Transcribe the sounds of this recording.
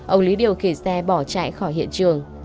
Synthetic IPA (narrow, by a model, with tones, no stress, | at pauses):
ʔə˧wli˨˦ɗi˧˩əwxe˧˩sɛ˧ɓɔ˧˩t͡ɕa̰ː˧˨jxɔ˧˩jɦḭ˧˨ənt͡ɕɨ˨˩əŋ